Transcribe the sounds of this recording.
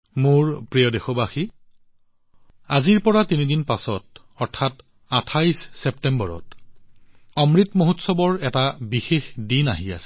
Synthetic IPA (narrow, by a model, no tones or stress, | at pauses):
mʊɹpɹijɔdexɔbaxi | aziɹpɔɹatinidinpasɔt | ɔɹtʰat | atʰajsːɛptɛmbɔɹɔ̰t | ɔmɹitmoɦutsɔbɔɹɛtabixexdina̰ɦia̰sɛ̥